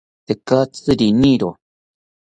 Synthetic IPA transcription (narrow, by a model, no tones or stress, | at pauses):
t̪ekat͡sɨɾiniɾo